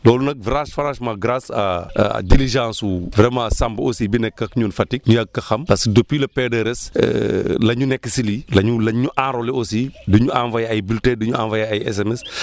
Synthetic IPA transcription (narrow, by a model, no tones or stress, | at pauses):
lɔːlunɐk̚vɾãːʃfɐɾaːʃmaɡɾasɐ̰diliʒãːnsuvɾɛmãːsambosiːbinɛkːɐkɲuːnfɐtik̚ɲujɐɡ̚kːɐxɐmpɐskədopːilɐpɛdɛɾɛslɐɲunɛkːəsililɐɲulɐɲuʔaːɾolɛosiduɲuʔanvɐjɐjbyltɛːduɲuaːnvɐjaɐjɛ̰s̬ɛmɛs